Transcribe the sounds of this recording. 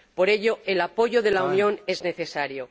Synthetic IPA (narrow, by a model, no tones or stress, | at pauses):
po̞ɾe̞ʎo̞elapo̞ʝo̞ðe̞launjo̞ne̞zne̞θe̞saɾjo̞